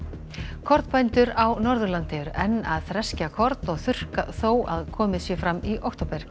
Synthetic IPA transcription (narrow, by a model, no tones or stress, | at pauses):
kʰɔɾt̪pʰajnt̪ʏɾawnɔɾðʏɾlant̪ɪʏɾɛnːa̰ðθɾɛscakʰɔɾt̪nɔɣθʏr̥kaθoːwʔa̰ðkʰɔːmɪsjɛfɾamːiʔowkt̪owpɛɾ̥